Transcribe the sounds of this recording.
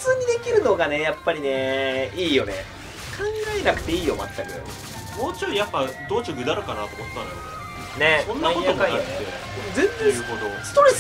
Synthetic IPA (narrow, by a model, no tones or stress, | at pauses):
t͡sɨːɲ̟id̪e̞kʲiɾɯ̟no̞ɡane̞japːaɾʲine̞iːjo̞nḛ | kʰãŋɡaenakɯ̟̥t̪e̞iːjoma̰t̪ːakɯ̰a̰ | moːt͡ɕojapːad̪oːt͡ɕoɡʲɯ̟d̪aɾɯ̟kanat̪omot̪ːãna̰ɾoḛ | ne̞õnːãikõjaokaiokɯee | zẽnzekod̪osɨ̥t̪o̞ɾes